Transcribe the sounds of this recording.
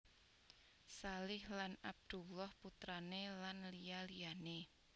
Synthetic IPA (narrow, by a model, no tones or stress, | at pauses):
salɪhlanab̚d̪̥ṳlɔhput̪ɾanelanlijalijane